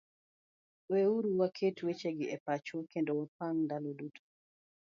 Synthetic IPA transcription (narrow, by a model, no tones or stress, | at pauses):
weuɾuwakʰetwet͡ʃeɡɪɛpat͡ʃwokendowɔpaŋndalodutʰo̥